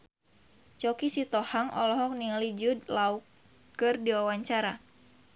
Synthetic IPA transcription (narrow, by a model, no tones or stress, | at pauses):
t͡ʃɔkisit̪ɔhaŋʔɔ̰lɔɦɔk̚niŋlid͡ʒud̚laukː | ɨrdiwawaɲt͡ʃaɾa